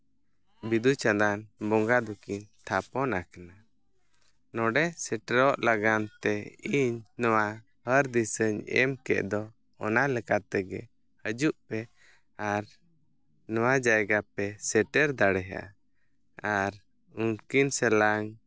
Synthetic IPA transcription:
bid̪ut͡ʃad̪anbɔŋɡad̪ukiɲt̪ʰapɔnakana | nɔɖɛsɛʈɛɾɔʔlaɡant̪ɛiɲnɔwa | həɾd̪isəɲɛ̰mkɛ̰ʔd̪ɔ | ɔnalɛkat̪ɛɡɛ | həd͡ʒuʔpɛ | aɾ | nɔwad͡ʒajɡapɛsɛʈɛɾd̪aɽɛɦa̰ʔa̰ | aɾ | unkinsɛlaŋ

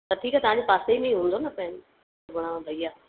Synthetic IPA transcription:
t̪ɐʈ̪ʰiːkat̪ɐʋ̤ãɲd͡ʑepaːseimẽĩɦũːnd̪onɐpɐɦɪn | bʊɽ̤̃amãbʱɐijaː

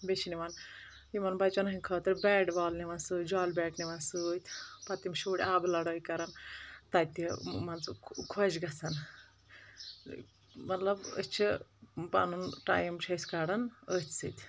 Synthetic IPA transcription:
bet͡ʃʰiniʋan | imɐnbɐt͡ʃonɐɦĩkʰɐːt̪ɐɾʲbɛːɖbaːlniʋansɨːd͡ʒɔːlbɛːʈniʋansɨt̪ʲpɐt̪imʃuːɽʲaːblɐɽɐjkɐɾɐnt̪at̪imɐnt͡sukʰod͡ʒɡɐsɐn | mɐt̪lɐbə̰t͡ʃʰipa̰nunʈa̰jmt͡ʃʰɐskaɽɐnəsɨt̪ʲ

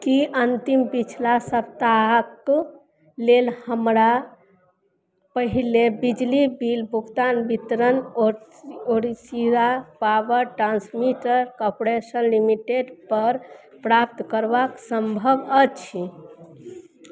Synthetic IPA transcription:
kiʔənt̪impit͡ʃʰlasəp̚t̪aɦək | lelhəmɾa | pəɦilebid͡ʒlibilbʱukt̪anbit̪ɾəno | oɾisiɾapabəɾʈɾãnsmiʈəɾkopɾesənlimiʈeɖpəɾ | pɾap̚t̪kəɾbaksəmbʱəbət͡ʃʰi

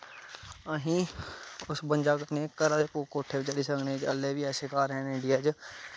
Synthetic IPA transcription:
əɦĩːʊsbənd͡ʒaːkneːkəɾaːkukoːʈʰeːbt͡ʃəɽisəkneːd͡ʒə̰lːeːbiɛːseːkaːɾɛːnɪɖijaːd͡ʒ

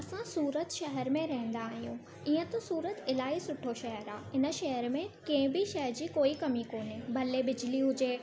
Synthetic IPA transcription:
ɐsãsuːɾət̪ʃɐɦɛɾmẽɾɐɦɪ̃nd̪aːɦijũ | iːə̃t̪osuːɾət̪ɪlaːisʊʈʰoʃɐɦəɾaːɪnə̆ʃɐɦəɾmẽkɐ̃ɦɪ̃bɪʃɐɦɛɾd͡ʑiːkoːikɐmikoːnebʱɐlebɪd͡ʑɪliɦʊd͡ʑeː

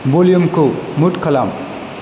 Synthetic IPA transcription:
boljumkomuʈkʰʌlam

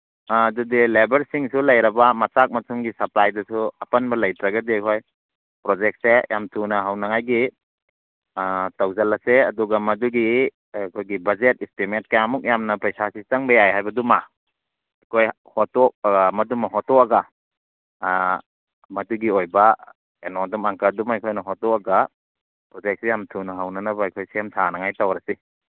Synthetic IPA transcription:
dudilebɐɾsiŋsulɐjɾɐbɐmɐsak̚mɐtʰumɡisɐplajdɐsuɐpɐnbɐlɐjtɾɐɡɐdikʰoj | pɾozek̚t̚sejʔamtʰunɐɦawnɐŋajɡi | tɐwzɐlːɐseɐduɡɐmɐduɡi | kʰojɡibɐzet̚istiment̚kajamuk̚jamnɐpɾɐjsasitɐŋbɐjajɦajbɐduma | ajkʰoj | hɔtɔk̚mɐdumɐɦɔtɔkaɡa | mɐduɡiojba | enɔdumaŋkadumajkʰojnɐɦɔtɔkaɡa | pɾɔzek̚sejamtʰunɐɦawnɐnɐbaajkʰojseamtʰanaŋajtawɾasi

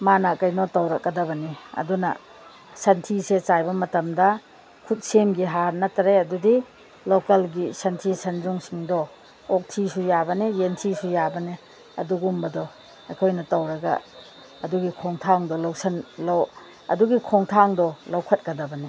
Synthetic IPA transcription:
manakɐjnɔtɐwɾɐk̚ɡɐdɐβɐniɐ̰dunɐ̰ | sɐntʰiset͡ʃajbɐmɐtɐmdɐ | kʰut̚semɡiɦaɾnɐtɾejɐdudi | lokɐlɡisɐntʰisɐnd͡ʒuŋsiŋdɔ | ok̚tʰisujabɐnijentʰisujabɐni | ɐ̰duɡumbɐdɔ | ɐkʰojnɐtɐwɾɐɡɐ̰ | ɐduɡikʰoŋtʰaŋdɔlɐwsɐnlaw | ɐ̰duɡikʰoŋtʰaŋdɔlɐwkʰɐt̚kɐdɐbɐni

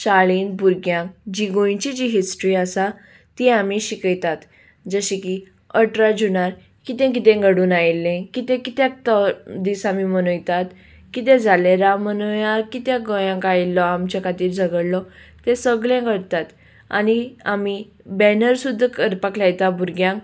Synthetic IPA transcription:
ɕaɭiːnbuɾɡjãŋkd͡ʑiɡõj̃t͡ɕid͡ʑiɦisʈɾiːəsa | t̪iamiɕikəjt̪at̪ | d͡zəɕiki | əʈɾad͡ʑunaɾ | kit̪ẽk̬it̪ẽŋɡəɽuːnajlːẽkit̪ẽkit̪jãt̪əd̪isamimənujt̪at̪ | kit̪̬ẽd͡zʱaleɾamənujaɾkit̪jãɡɔjãŋkajlːɔamt͡ɕakat̪iːɾd͡zʱəɡəɽlɔ | t̪ẽsəɡljãkəɾt̪at̪ | a̰niami | bɛnəɾsud̪ʱːakəɾpaklajt̪abuɾɡjãŋk

